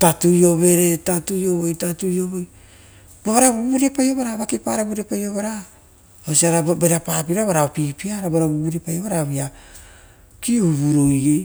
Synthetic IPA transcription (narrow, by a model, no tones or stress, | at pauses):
tatujo̞βe̞ɾetatujo̞βojtatuioβoj | boβaɾaβubuɾiapajoβaɾaβakipaɾabuɾiapajoβaɾa | osiaɾabeɾapapiɾaβaɾaopipiaɾabaɾaβubuɾiepajoβaɾaβia | kiuβuɾoje